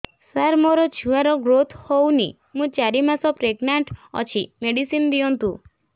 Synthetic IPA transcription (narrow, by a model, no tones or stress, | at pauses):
saɾmoɾɔd͡ʒʰʱuaɾɔɡɾot̪ʰhownḭ | mũt͡ʃaɾimasɔpɾeɡnaɳʈɔ̰t͡ʃʰimeɽisind̪iɔnt̪ũ